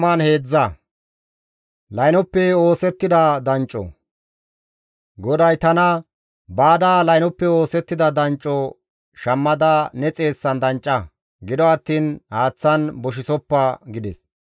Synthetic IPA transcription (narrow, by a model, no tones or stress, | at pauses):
manhe̞ːd͡zːɐ | lɐjnɔpːɛo̞ːsɛt̪ːɪd̪ɐd̪ɐnt͡ʃʼːɔ̰ | ɡɔd̪ɐjt̪ɐnɐ | baːd̪aːlɐjnɔpːɛo̞ːsɛt̪ːɪd̪ɐd̪ɐnt͡ʃʼːɔ | ʃɐmːɐd̪ɐnɛt͡sʼe̞ːsːɐnd̪ɐnt͡ʃʼːɐ | ɡɪd̪ɔɐt̪ːiːnhaːt͡sːɐnbɔʃɪsɔpːɐɡɪd̪ɛs